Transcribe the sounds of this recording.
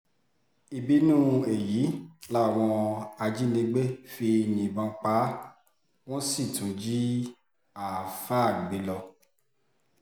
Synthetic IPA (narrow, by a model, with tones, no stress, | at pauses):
i˨bi˨˦nũ˦e˨ji˨˦la˦˨w̃ɔ̃˧a˧d͡ʒi˦nĩ˧ɡ͡be˦fi˧jĩ˨bã˧k͡pa˨˦ | w̃ɔ̃˦si˦˨tũ˨˦d͡ʒi˦ | a˨fa˦˨ɡ͡be˨˦lɔ˧